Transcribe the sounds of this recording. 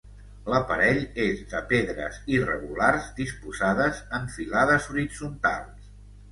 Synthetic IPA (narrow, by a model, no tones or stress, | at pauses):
ləpəɾɛʎezðəpeðɾə̰zirə̰ɣularzðispuzaðəzəɱfilaðəzuɾid͡zunt̪a̰lˠs